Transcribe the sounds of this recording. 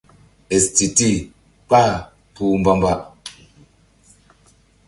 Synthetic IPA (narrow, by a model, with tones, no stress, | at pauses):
ɛ˨sti˨ti˦˨ | pa˦˨ | pu˦˨m̩˦ba˦mba˦˨ʔ